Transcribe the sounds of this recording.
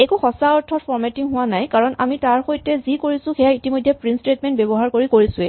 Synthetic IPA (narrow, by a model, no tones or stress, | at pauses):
ekuxɔsaɔɹtʰɔɹpʰɔɹmetiŋɦʊwanajkaɹɔna̰mitaɹxojtɛzikoɹisʊ̃xɛjaitimojdʱːɛpɹinstɹetmɛntbɛbɔɦaɹkoɹikoɹisʊ̃ɛ